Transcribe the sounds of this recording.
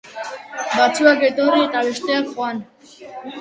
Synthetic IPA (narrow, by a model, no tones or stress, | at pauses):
bat͡sʰuaɡɛt̪ʼɔɾiːt̪ʼaviʃt̪ɛakχwan